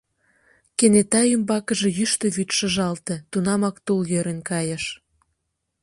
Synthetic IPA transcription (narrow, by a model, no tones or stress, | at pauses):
kenet̪ɑjəmbɑkəʒejyʃt̪ĕβyt̪ʃə̆ʒɑlt̪e̽t̪unɑmɑkt̪uljøɾenkɑjəʃ